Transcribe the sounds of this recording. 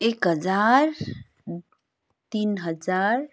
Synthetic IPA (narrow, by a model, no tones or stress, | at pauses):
ekɦəd͡ʒaɾ | t̪inɦəd͡ʒaɾ